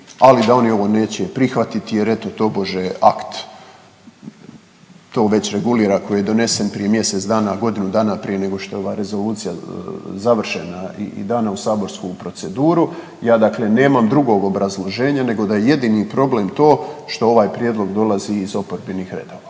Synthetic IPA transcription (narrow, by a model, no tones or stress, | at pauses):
alid̪ao̞nio̞ʋo̞ne̞ːt͡ɕe̞pɾixʋat̪it̪ijeɾe̞t̪ot̪o̞bo̞ʒea̰kt̪ | t̪o̞ːʋe̞t͡ɕɾe̞ɡuliːɾako̞jijed̪o̞ne̞se̞npɾije̞mje̞se̞t̪sd̪aːnaɡo̞d̪inud̪aːnapɾije̞ne̞ɡo̞ʃt̪o̞jeo̞ʋaɾe̞zo̞luːt̪sijazaʋr̩ʃe̞naḭd̪aːnausaːbo̞ɾskupɾo̞t̪se̞d̪uːɾu | jaːd̪akle̞ne̞ːmamd̪ɾuɡo̞ɡo̞bɾazlˠo̞ʒe̞ːɲane̞ɡo̞d̪ajeje̞d̪inipɾo̞ble̞ːmt̪o̞ːʃt̪o̞o̞ʋaːjpɾje̞d̪lˠo̞ɡd̪o̞lˠaziːzo̞po̞ɾbinixɾe̞̰d̪oʋa